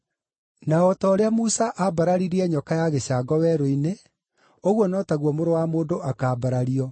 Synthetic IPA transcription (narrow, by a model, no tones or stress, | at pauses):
naɔtɔːɾeamusaʔabaɾaɾiɾiɛɲɔkajaɣeɕaːɡɔwɛɾoine | oɣwɔnɔtaɣwɔmoɾowamoːndoʔakaːbaɾaɾiɔ